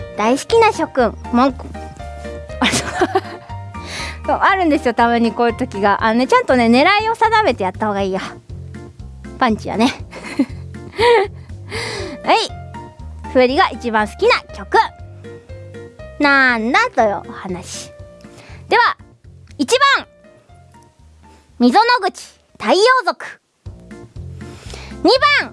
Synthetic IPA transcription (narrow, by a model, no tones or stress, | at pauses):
d̪̥aisɨ̥kʲinaɕo̞kɯ̟̃ɴmõŋkɯ | asok | koaɾɯ̟̃nd̪e̞sɨjo̞t̪aβɯ̃ɲ̟ːikoːjɯ̟t̪o̞kʲiɡaʔanone̞t͡ɕãnt̪o̞ne̞ne̞ɾaio̞sad̪ame̞t̪e̞jat̪ːaho̞ɡaiːjo | pãɲ̟t͡ɕida̰ne̞ | ai | ɸɯ̟ːɾʲiɡaʔit͡ɕibãɰ̃sɨ̥kʲinakʲo̞kɯ̟ | nand̪at̪ojɯʔohanaɕi̥ | d̪̥e̞βa | it͡ɕibãŋ | mʲizo̞noɡɯ̟t͡ɕi̥ | t̪aio̞ːzo̞kɯ̟̥ | ɲ̟ibãŋ